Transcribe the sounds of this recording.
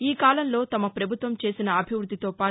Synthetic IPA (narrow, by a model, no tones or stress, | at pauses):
iːkaːlɐmlo̞ːt̪ɐmɐpɾɐbʱut̪ʋɐmt͡ʃe̞ːsinɐɐbʱiʋɾud̪ʱːit̪o̞ːpaː